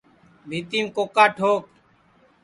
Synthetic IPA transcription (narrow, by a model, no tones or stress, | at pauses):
bʱiːt̪iːmkoːkaːʈʰoːk